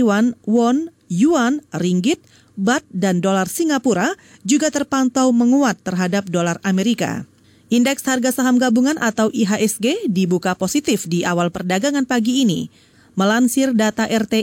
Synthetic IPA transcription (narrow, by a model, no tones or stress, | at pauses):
wanwɔn | juanriŋɡɪt̪̚ | bat̪̚dandolarsiŋɡapuɾa | d͡ʒuɡat̪ərpant̪awməŋuat̪ːərɦadap̚dolarameɾika̰ | ʔindɛksharɡasaɦamɡabuŋanʔat̪awʔiɦaʔɛsɡedibukaposit̪ɪfdiʔawalpərdaɡaŋanpaɡiːnḭ | məlansɪrdat̪aʔɛrt̪e